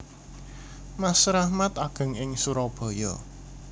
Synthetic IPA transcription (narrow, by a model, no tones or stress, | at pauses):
masɾahmat̪aɡ̥ə̤ŋɪŋsuɾɔb̥ɔ̤jɔ